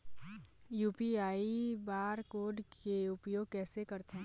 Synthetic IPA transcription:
juːpiaːibaːɾkoːɾɖkeʊpjoːɡ̚kɛːsekɐɾt̪eɦɛ̃

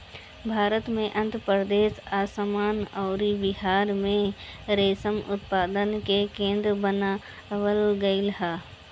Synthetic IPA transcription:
bʱaːɾət̪mẽʔɐ̃nt̪ɾəpɾəd̪eːsaːsəmaːnɔːɾibɪɦaːɾmẽɾeːsəmʊ̰t̪paːd̪ənkekẽːnd̪ɾəbəna | ʋəlɡəɪlɦaː

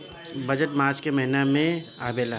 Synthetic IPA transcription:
bɐd͡ʒəʈmaːɾt͡ʃkemɐɦɪnamẽaːbeːla

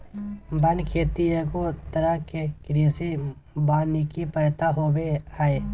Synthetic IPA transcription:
bənkʰeːt̪ijekot̪əɾəɦkekɾiːsi | baːnikipəɾt̪aɦoːweaːeː

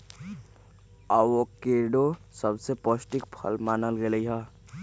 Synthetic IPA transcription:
aʋokeɾɖosəbseposʈikpʰə̰lmaːnəlɡeləiɦa

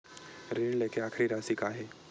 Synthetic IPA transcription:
ɾeːɖleːkeaːkʰɾiɾaːsikaːɦeː

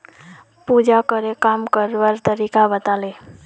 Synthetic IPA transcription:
pud͡ʒakəɾekamkəɾʋaɾt̪əɾikabət̪ale

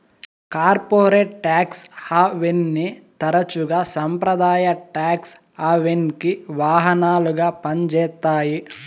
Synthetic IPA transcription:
kaːɾpoːɾeːʈʈːaːkshaːʋenːit̪ɐɾɐt͡ʃuɡaːsɐmpɾɐd̪aːjɐʈaːks | aːʋenkiʋaːɦɐnaːluɡaːpɐɲd͡ʒɛːt̪ːaːji

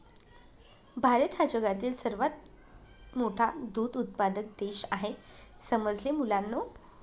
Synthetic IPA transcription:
bʱaɾət̪ɦad͡ʑəɡat̪iːlsəɾʋat̪̚ | moʈʰad̪uːd̪ut̪̚pad̪ək̚d̪eɕaɦesəməd͡zlemulanːo

